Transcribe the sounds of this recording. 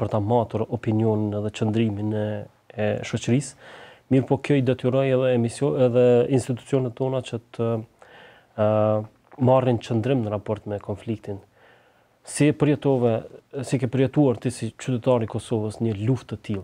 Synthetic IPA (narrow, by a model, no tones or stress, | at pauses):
pəɾt̪amat̪uɾɔpinjɔninɛðɛt͡ʃənd̪ɾiminɛ | ɛʃɔt͡ʃəɾismiɾpɔkɔjd̪ɛt̪iɾɔjɛðɛɛmisɔɛðɛinst̪it̪u̥t͡siɔnɛt̪ːɔnat͡ʃət̪ʰə | marint͡ʃənd̪ɾɪmnəɾapɔɾt̪mɛkɔnflik̚t̪in | sipəɾjɛt̪ɔvɛsikɛpəɾjɛt̪uaɾt̪isit͡ʃyt̪ɛt̪aɾikɔsɔvəsɲəluft̪ət̪ilˠ